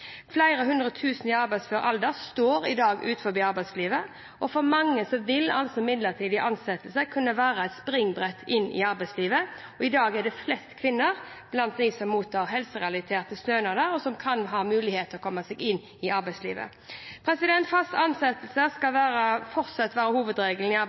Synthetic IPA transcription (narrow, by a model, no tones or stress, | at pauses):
flæɪɾəhʉnd̪ɾʁət̪ʰʉːsn̩ɪɑɾbæɪsfœːɾʔɑ̰ld̪əst̪oːɾɪ̰d̪ɑːɡʉ̰ːt̪fɔbiːɑɾbæɪsliːʋə | ʔɔfɔɾmɑŋːəsɔʋɪlɑ̰lsɔmɪd̪ləʁt̪ʰiːd̪ɪʔɑnsɛt̪lsəkʰʉnːəʋæːʁəæɪt̪spɾɪŋbʁɛt̪ʰːɪnːɪ̰ɑɾbæɪsliːʋəɔɪd̪ɑːɡɛɖ̪ɛflɛst̪kʰʋɪnːəʁ | b̥lɑnt̪̚d̪isɔmːuːt̪ʰɑːʁɦɛlsəʁɛɑlɪt̪ʰeːʁt̪əst̪øʏnəd̪æɾɔsɔmkʰɑnɦɑːmʉːlɪheːt̪ʰəɔkʰɔmːəsɛɡɪnː | ɪɑɾbæɪslḭːʋə̰ | pʰɾɛsɪd̪ɛnt̪fɑst̪ɑnsɛt̪əl̩səskɑlʋæːɾəfɔʁt̪sɑt̪ːʋæːɾəhuːʋəd̪ɾeːɡəln̩ɪɑ